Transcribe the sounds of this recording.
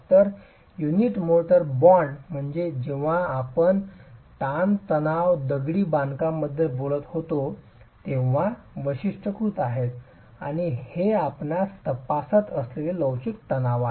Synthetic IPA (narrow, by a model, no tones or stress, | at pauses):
t̪əɾ | juniʈmoʈəɾbɔɳɖm̤əɳd͡zed͡ʑeʋ̤aːpənt̪ant̪ənaʋd̪əɡɽiːbãnkamːəd̪ʱjebolət̪hot̪o | t̪ẽʋ̤a | ʋəɕiʂʈəkɾuːt̪aɦet̪ | a̰ɽ̃iheapnast̪əpasət̪əsleleləwɕik̚t̪ənaʋa